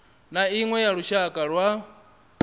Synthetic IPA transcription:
naiŋwɛjaɺuʃakʼaɺwa

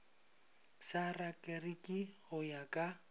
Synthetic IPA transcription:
sarakʼɛrikʼɪhʊjakʼa

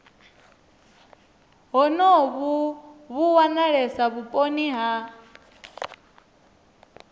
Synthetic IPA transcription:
ɦɔnɔβuβuwanaɺɛsaβupʼoniɦa

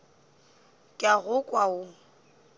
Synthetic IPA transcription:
kʼaɣʊkʼwaʊ

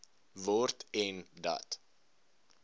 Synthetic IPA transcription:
vɔrtɛndɐ̰t

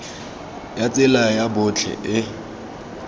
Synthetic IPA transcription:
jat͡sʼɪlajabʊt͡ɬʰɛ̰ʔɪ

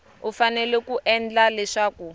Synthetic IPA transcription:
ufanɛlɛkuʔɛnd͡ɮalɛʂaːku

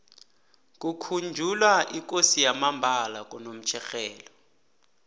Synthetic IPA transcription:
k̬ʼukʰund͡ʒʱulwaʔik̬ʼosijamambʱalak̬ʼunom̩t͡ʃʰɛxɛːlɔ

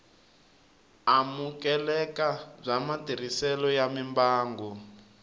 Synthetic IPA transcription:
amukɛlɛkab͡ʐamatir̤isɛlɔjamimbaːŋɡu

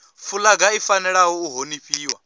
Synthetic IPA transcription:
fʰulaɡaifanɛɺaɦɔuɦoniɸiːwa

